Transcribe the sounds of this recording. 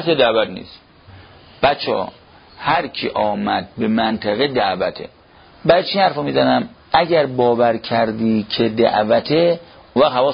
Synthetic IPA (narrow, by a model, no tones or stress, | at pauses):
sed̪æʔvæt̪nḭːs | b̥æt͡ʃʰɒ̰ː | hæɾkʰiʔɒːmæd̪̚bemænt̪ʰæɣed̪æʔvæt̪ʰḛ | bæɾt͡ʃʰinhæɾfɔmiːzænæmæɟæɾbɒːvæɾkʰæɾd̪iːkʰed̪æ̰ʔvæt̪ʰe | unvæɣhævɒː